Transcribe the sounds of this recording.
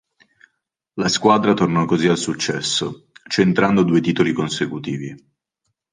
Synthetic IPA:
laskwaːd̪ɾat̪ornɔkːozialsut͡ʃːɛsːo | t͡ʃent̪ɾand̪od̪uːet̪iːt̪olikonsekut̪iːvi

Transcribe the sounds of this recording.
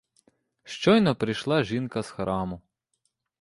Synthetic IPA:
ʃt͡ʃɔjnɔpɾɪjʃlˠɑʒinkɐsxɾʔɑmʊ

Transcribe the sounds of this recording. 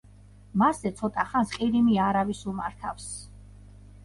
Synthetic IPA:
mazɛt̪sʰɔt̪ʼaχansqʼiɾimiaɾavisuma̰ɾt̪ʰafs

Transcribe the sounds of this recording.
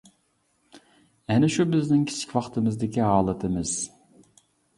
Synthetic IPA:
ɛnɪʃubɪznɪŋkʲʰi̥t͡ʃʰi̥kʲwɑχt̪ʰɨmɨzd̪ɪkʲiɦɑːlˠɨt̪ʰɨmɨz̥

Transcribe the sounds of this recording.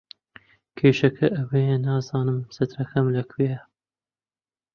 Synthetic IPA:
kʰeːʃɐkʰɐʔɐwejɐnɑːzɑːnɨmsɐt̪ɾɐkʰɐmlɐkʰwe

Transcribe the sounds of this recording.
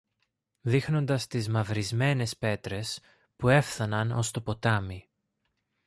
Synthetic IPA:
ðixno̞nd̪ɐst̪izmɐvɾizme̞ne̞spe̞t̪ɾe̞s | pue̞fθɐnɐno̞st̪o̞po̞t̪ɐmi

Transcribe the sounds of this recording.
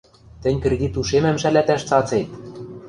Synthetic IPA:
t̪ɘ̆nʲkrĕd̪ʲit̪uʃemæ̆mʃælæt̪æʃt͡sɑt͡set̪̚

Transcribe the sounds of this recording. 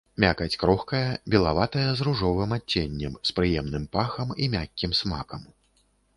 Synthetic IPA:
mʲakɐt͡sʲkɾɔxkɐjɐbʲɛlˠavat̪ɐjɐzruʐɔvɨmat͡sʲːenʲːɛmspɾɨjɛmnɨmpaxɐmimʲakʲːimsmakɐm

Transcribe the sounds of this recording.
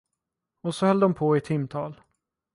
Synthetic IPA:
ɔsɔhœld̪ɔmpʰoɪt̪ʰɪmːt̪ʰɑːl

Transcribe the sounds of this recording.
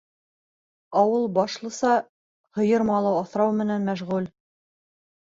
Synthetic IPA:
ɑwɤlˠbɑʃlˠɤ̆sɑ | hɤ̆jɤɾmɑlˠɤwɑθɾɑwmɘ̆nænmæʃʁʉl

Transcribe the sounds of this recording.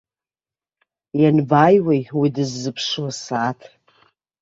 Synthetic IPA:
janbajwejwidɨzːɨpʰʂwasaːtʰ

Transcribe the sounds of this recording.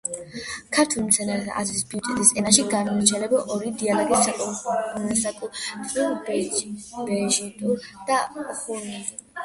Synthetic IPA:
kʰaɾt̪ʰulimt̪sʰɛnaɾɛt̪ʰa̰zlisbit̪ʼɛt̪ʼisɛnaʃiɡanɔɾt͡ʃʰɛlɛbɔʔɔɾid̪ialɔɡisːakʼɔunɛsakʼuil | bɛʒit̪ʼuɾd̪̥aχunɛ

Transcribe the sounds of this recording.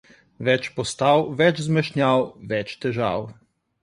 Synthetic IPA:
ʋɛt͡ʃpɔst̪awʋɛt͡ʃzmɛʃnjawʋɛt͡ʃt̪ɛʒa̰w

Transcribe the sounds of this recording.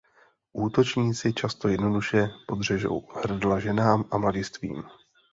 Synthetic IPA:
ʔuːt̪o̞t͡ʃɲiːt͡sɪt͡ʃast̪o̞jɛdno̞duʃɛpo̞d̪r̝ɛʒo̞̰whr̩dlaʒɛnaːmʔamlaɟɪst̪vḭːm

